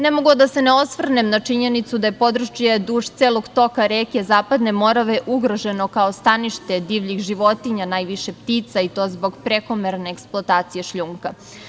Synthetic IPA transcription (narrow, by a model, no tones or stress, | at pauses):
nemoɡod̪ase̞neo̞sʋr̩nemnat͡ʃiɲenit̪sud̪aje̞po̞d̪ɾut͡ʃijed̪uːʃt̪seːlˠo̞ɡt̪o̞kaɾeːkezaːpad̪ne̞mo̞ɾaʋe̞ʔuɡɾo̞ʒe̞no̞kaost̪aniʃt̪e̞d̪iːʋʎixʒiʋo̞t̪iɲanaːjʋiʃe̞pt̪iːt̪sait̪o̞ːzbo̞ɡpɾe̞ko̞meɾneːksplˠoat̪aːt̪sijeʃʎuːŋka